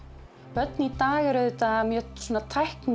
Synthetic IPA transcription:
pœt̪nit̪aːɣɪɾœɥðʏt̪amjɛswɔːnat̪ʰajhkn

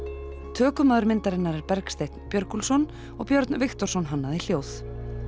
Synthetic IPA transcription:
t̪ʰœːkʏmaðʏɾmɪnt̪aɾɪnːaɾɛɾpɛɾkst̪ejt̪n̥pjœɾkulsɔn | ɔɣpjœɾt̪nvɪxt̪ɔr̥sɔnɦanːaðɪl̥joːwθ

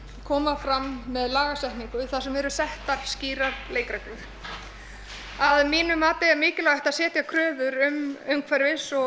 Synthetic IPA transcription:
kʰɔːmafɾamːɛðlaːɣasɛht̪niŋkʏθað̥sɛmvɛɾʏsɛht̪aɾ̥sciːɾaɾleːjkɾɛkʏð̥ | aðmiːnʏmaːt̪ɪɛɾmɪːcɪlaːɣɛht̪aðsɛːt̪jakʰɾœːðʏɾʏmʏmkʰvɛɾvɪsɔ

